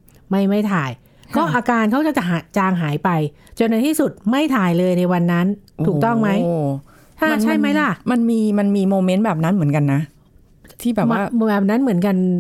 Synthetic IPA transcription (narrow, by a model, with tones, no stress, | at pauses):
ma˥˩jma˥˩jt̪ʰaː˨˩j | kɔː˥˩ʔaː˧kaː˧nkʰa˦˥wt͡ɕa˨˩t͡ɕa˨˩ɦa˨˩˦t͡ɕaː˧ŋɦaː˩˦jpa˧j | t͡ɕo˧nːa˧jt̪ʰiː˥˩su˨˩t̪̚ma˥˩jt̪ʰaː˨˩jlɤː˧jna˧jwa˧nːa˦˥nʰuː˨˩k̚t̪ɔ˥˩ŋma˦˥j | ʔaː˥˧˩nt͡ɕʰa˥˩jma˦˥jla˧˩ma˧nmiː˧ma˧nmiː˧moː˧me˦˥nbɛː˨˩p̚na˦˥nmɯ˩˦ə˦nka˧nːa˦˥ | t̪ʰiː˥˩bɛː˨˩ma˥˩ɛː˨˩p̚na˦˥nmɯ˩˦ənka˧n